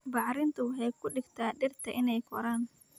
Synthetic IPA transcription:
bɑʕɾɪnt̪ʰɐwʊħɛjkʰʊɖɪɡt̪ʰaːɗɪrt̪ʰɐʔɪnɛjkʰɔɾaːn

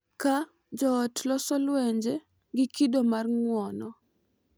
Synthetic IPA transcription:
ka | d͡ʒɔːtlɔsɔlwɛɲd͡ʒe | ɡɪkidomarŋwɔnɔ

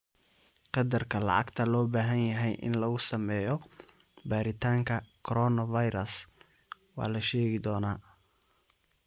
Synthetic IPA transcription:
qɑd̪ɐrkʰɐlɑ̰ʕɑ̰ɡt̪ʰɐlɔːbaːɦɐnjɐɦɛjʔɪ̰nlɐɣʊsɐmɛːjɔ | baːɾɪt̪ʰaːŋkʰɐkʰɔɾɔnɐvɐjɾɐs | wɑ̰ːlɐʃɛːɣɪd̪ɔːnaː

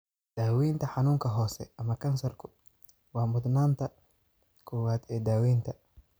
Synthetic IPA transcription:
d̪̥aːwɛːnt̪ʰɐħɑnuːŋkʰɐɦɔːsɛʔɐmɐkʰɐnsɐrkʰʊ | wɑːmʊd̪naːnt̪ʰɐ | kʰɔwaːd̪ɛːd̪aːwɛːnt̪ʰɐ

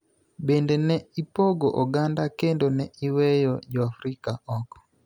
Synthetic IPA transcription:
bendenɛipoɡoʔɔɡandakendonɛiwɛjɔd͡ʒɔafɾikaɔkɔ̥

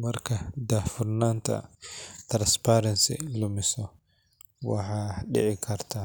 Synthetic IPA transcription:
mɐrkʰɐd̪afʊrnaːnt̪ʰɐ̰t̪ɾanspaːɾɐnsɪ̰lʊmɪsɔ | wɑ̰ħaːɗɪ̰ʕɪkʰɐrt̪ʰaː

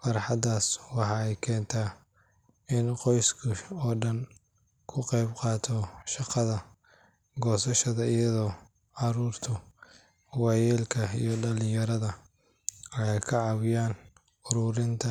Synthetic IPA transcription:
fɑɾħɑd̪aːswɑħɑːɛjkʰɛːnt̪ʰaː | ɪnqɔjskʰʊɔːɖɐn | kʰʊqɛjbqɑːt̪ʰɔʃɑqɑðɐ | ɡɔːsɐʃɐðɐijɐðɔː | ʕɑɾuːrt̪ʰʊ | wɑjɛːlkʰɐijɞɖɐlɪjɐɾɐðɐ | ɛjkʰɐʕɑwɪjaːn | ʊɾʊːɾɪnt̪ʰɐ

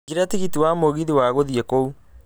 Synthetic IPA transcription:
ɡiɾatiɣitiwamoɣiðiwaɣoðiɛkou

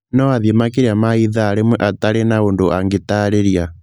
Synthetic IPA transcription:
nɔaðjemakeɾiamaiðaːɾemwɛʔataɾenaondoʔaŋɡetaɾeɾja

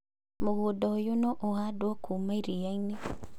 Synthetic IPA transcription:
moɣodɔojonɔʔohadwɔkumaiɾijaine

